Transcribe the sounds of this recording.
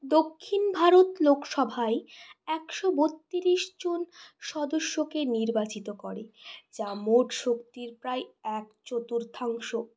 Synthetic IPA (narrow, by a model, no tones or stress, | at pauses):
d̪okʰːinbʱaɾot̪lokʃɔbʱaeɛkʃobot̪ːiɾiʃd͡ʑonʃɔd̪oʃːokeniɾbat͡ɕit̪okɔɾed͡ʑamoʈʃokt̪iɾpɾaeɛkt͡ɕot̪uɾd̪ʱʰaŋʃo